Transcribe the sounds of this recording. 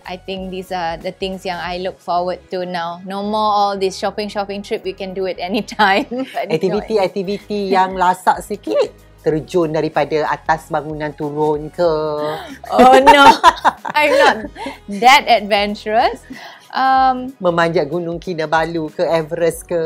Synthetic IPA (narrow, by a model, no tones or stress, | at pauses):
ʔa̰jt̪ɪ̃ŋk̚d̪isad̪ət̪ɪ̃ŋsjãŋajluk̚fɔwəd̚tunãwnomɔlɔldisʃɔpɪ̃ŋʃɔpɪ̃ŋtɹip̚wikɛ̃nduɛtɛnitʰãjmbaɛk̚t̪iviiɛk̚t̪ivit̪ijaŋlasaʔsikit̪̚ | t̪ərd͡ʒʊndaɾipadaat̪asbaŋunãnt̪uɾʊnkə | ono | ajmnɔt̚dɛtɛd̚vɛ̃nt͡ʃuɹəs | ʔammə̃maɲd͡ʒaʔɡunʊ̃ŋkinəbalukəɛvəɾəskə